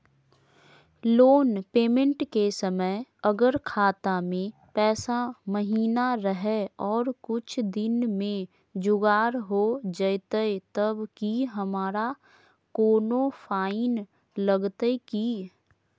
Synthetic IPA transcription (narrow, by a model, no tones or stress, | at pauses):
loːnpeːmə̃ɳʈkesəməjəɡəɾkʰaːt̪amẽ | pɛːsaməɦiːnaɾəɦɛɔːɾkʊt͡ʃʰd̪ɪnmẽ | d͡ʒʊɡaːɾɦod͡ʒəɪt̪əet̪əbkiɦəmaːɾa | koːnofʰaːɪn | ləɡt̪eki